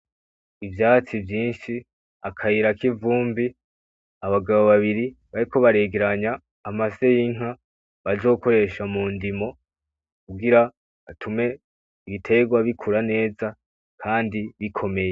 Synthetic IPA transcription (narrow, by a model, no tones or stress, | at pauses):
ivjaːt͡sivjiːnʃi | akʰajiɾakivuːmbi | aβaɡaβo̞βaβiɾi | βaɾiko̞βaɾe̞ːɡe̞ɾaɲaː | maze̞jiŋ̥ɦa | βazo̞ːko̞ɾe̞ʃamundimo̞ | kuɡiɾa | βatʰume̞ | iβitʰe̞ɡwaβikʰuɾane̞ːza | kʰaːndiβikʰo̞me̞je̞